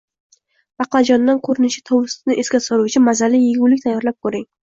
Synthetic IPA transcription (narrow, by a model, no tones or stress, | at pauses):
b̥ɑqlad͡ʒɒnd̪ankʰɵɾɪnɪʃɪ̥t̪ʰɒwɾɪst̪ɪnɪʔeskʲasoɾuwt͡ʃʰɪmazalɪjeɡʲʊwlɪkʲt̪ʰajːɒɾlap̚kʰɵɾɪŋ